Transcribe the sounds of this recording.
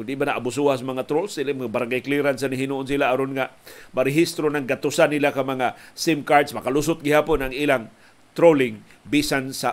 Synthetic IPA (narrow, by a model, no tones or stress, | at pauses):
ʊndiʔmanaʔabʊsuasamaŋat̪ɾolsilɪmŋabaɾaŋɡajkliɾansaniɦinuʔonsilaaɾonŋamaɾɪɦist̪ɾonaŋɡat̪ʊsanilakamaŋasɪmkaɾdsmakalʊs̬ʊt̪̚ɡɪhaːpʊnaŋilaŋ | t̪ɾolɪŋ | bisansa